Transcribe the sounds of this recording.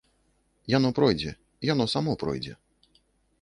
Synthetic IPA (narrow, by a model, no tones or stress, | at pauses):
janɔpɾɔjd͡zʲɛ | ijanɔsamɔpɾɔ̰jd͡zʲɛ̰